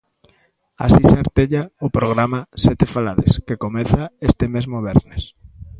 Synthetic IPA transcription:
a̰siseaɾt̪eʎaopɾoɣ̞ɾamasɛt̪efalaɾḛskekomeθaest̪emezmoβ̞eɾnes

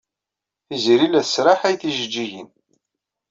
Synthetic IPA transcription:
izɾilæsɾaħæjθiʒəd͡ʒːiʝən

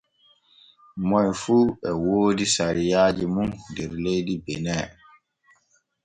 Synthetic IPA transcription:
mɔjfuɛwoːdisaɾijaːd͡ʒimundɛɾlejdibɛnɛː

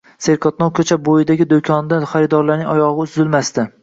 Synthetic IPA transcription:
seɾkʰɒt̪nɒwkʲʰɵt͡ʃʰabojɪd̪aɡʲɪd̪okʲʰɒnd̪aχaɾɪd̪ɒɾlaɾnɪŋɒjɒʁɨʊzzɪlmast̪ɪ

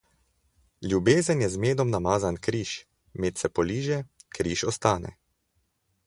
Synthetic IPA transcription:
ljubeːzənjɛzmeːd̪ɔmnamaːzankɾiːʃ | meːt̪sɛpɔliːʒɛkɾiːʃɔst̪aːnɛ̰

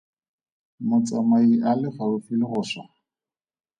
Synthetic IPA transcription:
mʊt͡sʼamaiʔalɪfarʊfilɪɣʊːsa

